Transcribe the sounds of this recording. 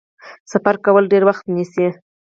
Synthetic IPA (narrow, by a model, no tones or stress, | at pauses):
safaɾkawəlɖeɾwaxt̪nisi